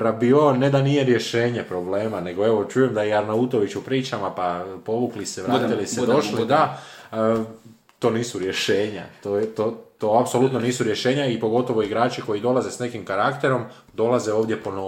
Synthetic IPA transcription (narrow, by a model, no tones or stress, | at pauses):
pɾabioned̪anijeɾje̞ʃe̞ːɲe̞pɾo̞ble̞ːmane̞ɡo̞e̞ʋot͡ʃujemd̪ajɛaɾnaut̪o̞ʋit͡ʃupɾiːt͡ʃamapapo̞ʋukliseʋɾaːt̪ilised̪o̞ʃlid̪a | t̪o̞ːniːsuɾje̞ʃe̞ːɲa̰t̪ot̪ot̪o̞apso̞lut̪no̞niːsuɾjeʃe̞ːɲaipo̞ɡo̞t̪o̞ʋo̞iɡɾaːt͡ʃiko̞jid̪o̞laze̞sne̞kimkaɾakt̪e̞ɾo̞m | d̪o̞laze̞o̞ːʋd̪je̞po̞no